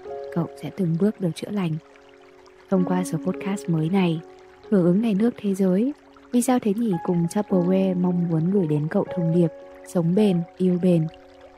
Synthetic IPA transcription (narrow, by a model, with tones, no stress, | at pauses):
kə̰˧˨wsɛ̰˧˥t̪ɨ˨˩ŋɓɨ˦˥ək̚ɗɨ˨˩ək̚t͡ɕɨ̰˧˥la˨˩jŋ̟ | hə˧wŋ͡mkwaː˧səː˨˦po˦˥t̚kaː˦˥st̚məː˨˦jna˨˩j | hɨ˧˩əŋʔɨ˨˦ŋna˨˩jnɨ˦˥ək̚t̪ʰe˨˦zəː˨˦j | vi˨˩saː˧wt̪ʰe˨˦ŋi˧˩kʊ˨˩ŋ͡mt͡ɕaː˦˥p̚ə˧˩we˧ma˧wŋ͡mmu˨˦ənɣɨ˧˩əjɗe˨˦nkə̰˧˨wt̪ʰə˨˧˩wŋ͡mni˨˩əp̚sə˨˦wŋ͡mɓe˧˩nʔi˧əwɓe˧˩n